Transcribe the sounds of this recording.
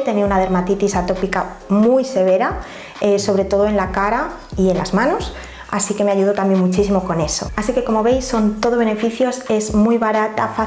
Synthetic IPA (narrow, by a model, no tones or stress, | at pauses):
t̪e̞niunað̞e̞ɾmat̪it̪isat̪o̞pika | mujse̞βe̞ɾa | eso̞βɾe̞t̪o̞ð̞oenlakaɾa | ie̞nlʔa̰zmãno̞s | a̰sike̞me̞aʝuðot̪ambje̞nmut͡ʃisimo̞ko̞ne̞so̞̰asike̞ko̞mo̞βe̞jsːo̞nt̪o̞ðoene̞fiθjo̞se̞zmujβaɾat̪afa